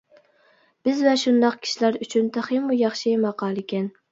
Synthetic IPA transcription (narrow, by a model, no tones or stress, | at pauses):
b̥ɪzvɛʃund̪ɑqkʲʰi̥ʃilæɾyt͡ʃʰynt̪ʰæχimujɑχʃimɑqʰɑːlˠɪkʲʰɛn